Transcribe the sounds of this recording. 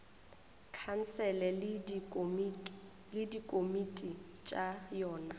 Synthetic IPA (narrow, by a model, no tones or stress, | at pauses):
kʰan̩sɛlɛ | lɪdikʼomitʼi | t͡ʃʼajɔːna